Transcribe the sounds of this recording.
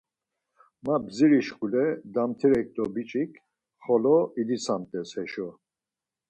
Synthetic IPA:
mabziɾiʃkulɛd̪amt̪ʰiɾɛk̚t̪ʼɔbit͡ʃʼikʰ | χɔlɔid̪isʰamt̪ʼɛshɛʃɔ

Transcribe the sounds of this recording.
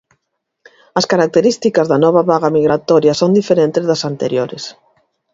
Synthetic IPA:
ɐskaɾak̚t̪eɾist̪ikɐzðɐnɔβ̞aβaɣamiɣɾat̪ɔɾjasond̪ifeɾent̪ezðɐsant̪eɾjoɾɪ̰s

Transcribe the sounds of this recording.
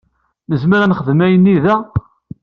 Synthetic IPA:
nəzməɾænχəðmæjənːiðæ

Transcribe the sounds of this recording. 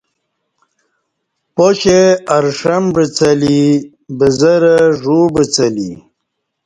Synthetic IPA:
poɕeaɾʂɐmbət͡sɐli | bəzəɾəʐubət͡sɐlḭ

